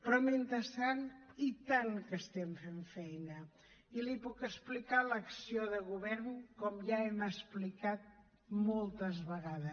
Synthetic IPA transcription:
pɾɔment̪əsanit̪aŋkəst̪ɛmfeɱfɛjnə | ilipukəsplikaləksioðəɣuβ̞ɛɾnkɔmʒaɛməsplikat̪̚ | molˠt̪əzβəɣaðə

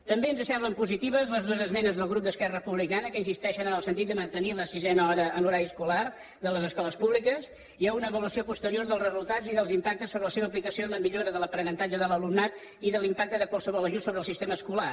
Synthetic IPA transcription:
t̪əmbeənzəsɛmbləmpuzit̪iβ̞əzləzðuəzəzmɛnəzðəlˠɣɾup̚d̪əskɛrəpuβlikanəkəinsist̪ɛʃənənəlˠsənt̪it̪d̪əmənt̪əniləsizɛnəɔɾəənuɾaɾiəskular | d̪ələzəskɔləspuβlikəs | iaunəβəluəsiopust̪əɾioɾðəlˠrəzulˠt̪ad͡ziðəlˠzimpak̚t̪əsoβələseβəːplikəsioləmiʎoɾəðələpɾənənt̪ad͡ʒəðələlumnat̪ | iðəlimpak̚t̪əðəkwəlˠsəβɔlˠəʒunsoβɾəlˠsist̪eməskula

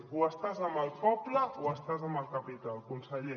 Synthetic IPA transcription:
uəst̪azəmbəlˠpɔbləoəst̪azəmbəlˠkapit̪alkunsəʎe

